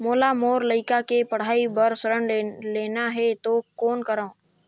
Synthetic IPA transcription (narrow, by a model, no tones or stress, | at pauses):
moːlamoːɾləɪkakepɐɽ̤aːibəɾsəɾənleːnaɦɛt̪okoːnkəɾõː